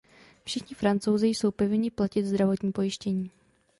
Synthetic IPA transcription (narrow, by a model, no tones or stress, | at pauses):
fʃɪxɲɪfɾant͡so̞wzɪjso̞wpovɪɲɪplacɪt̪zd̪ɾavo̞t̪ɲiːpo̞jɪʃcɛɲiː